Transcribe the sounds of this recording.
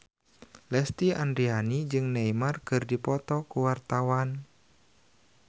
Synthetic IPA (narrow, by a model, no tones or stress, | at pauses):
lɛst̪iandɾianid͡ʒɨŋnejmarkɨrdipɔt̪ɔkuwart̪awan